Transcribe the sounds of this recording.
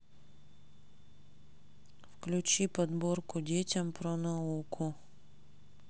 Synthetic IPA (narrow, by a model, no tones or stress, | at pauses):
fklʲʉt͡ɕipɐd̪borkʊdʲetʲɐmpɾonɐukʰʊ